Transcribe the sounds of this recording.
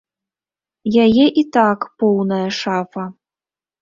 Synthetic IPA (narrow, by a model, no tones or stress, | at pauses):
jajɛʔit̪akpɔwnɐjɐʂafɐ